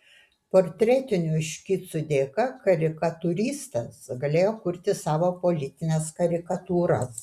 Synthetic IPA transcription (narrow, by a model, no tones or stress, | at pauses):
poːɾʲt̪ʲɾʲɛt̪ʲɪnʲʊɪʃʲkʲiːt̪sʊd̪ʲeːkɐkɐɾʲɪkɐt̪ʊɾʲiːst̪ɐsɡɐlʲeːjoːkʊɾʲt̪ʲɪsɑːʋoːpolʲɪt̪ʲɪnʲɛskɐɾʲɪkɐt̪uːɾɐs